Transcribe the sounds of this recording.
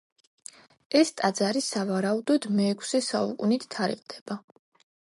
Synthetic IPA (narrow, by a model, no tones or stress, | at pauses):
ɛst̪ʼad̪zaɾisavaɾaud̪ɔd̪̥mɛːkʷʰsɛsaṵkʼunit̪ʰt̪ʰːaɾḭqʼd̪̥ɛb̥a